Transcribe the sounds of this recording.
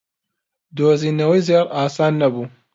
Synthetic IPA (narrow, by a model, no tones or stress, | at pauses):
d̪oːziːnɐwijzeːɾaːsaːnːɐbuː